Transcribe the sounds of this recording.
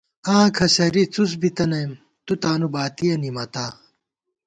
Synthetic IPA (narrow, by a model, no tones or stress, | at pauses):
ãːkʰɐɕɐɾit͡sus̬bit̪ɐnɐjm | t̪ut̪aːnubaːt̪ijɐnimɐt̪aː